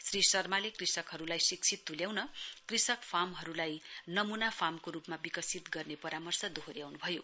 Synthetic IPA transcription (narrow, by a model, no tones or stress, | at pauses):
srisʌrmalekrisʌkɦʌɾulajsik̚t͡sʰit̪ːuljawnʌkrisʌkpʰamɦʌɾulajnʌmunapʰamkoɾupmabikʌsit̪ɡʌrnepʌɾamʌrsʌd̪oɦoɾjawnubʱʌjo